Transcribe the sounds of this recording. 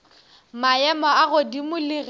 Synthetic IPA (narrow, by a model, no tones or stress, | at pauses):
maɛmɔaɣʊdimʊliɣ